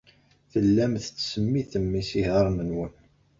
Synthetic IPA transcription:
θəlːæmθət͡sːsəmːiθəmːisihəɾˤmənwən

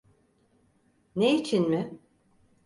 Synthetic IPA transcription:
neit͡ʃʰinmɪ

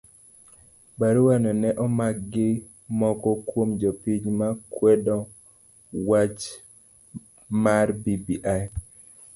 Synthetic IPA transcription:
baɾwanɔnɛʔɔmak̚ɡɪ | mɔkɔkwomd͡ʒɔpiɲmakwɛɗɔ | wat͡ʃ | marbibiʔaj

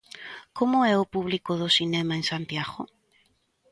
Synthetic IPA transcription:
komʊɛʊpuβlikʊðʊsinɛmaensant̪jaɣʊ̰

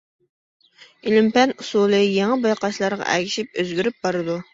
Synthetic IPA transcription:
ilɪmpɛnusulˠɨjeŋɑbɑjqɑʃlˠɑɾʁɑ̰ʔɛ̰kʲʰiʃip̚øzɡʲyɾyp̚bɑɾɨd̪u

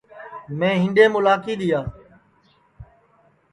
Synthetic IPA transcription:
mẽːɦɪ̃nɖeːmʊlaːkiːɗ̪ɪjaː

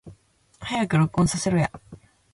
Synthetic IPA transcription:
hajakɯ̟ɾokɯõnsase̞ɾɯ̟ja̰

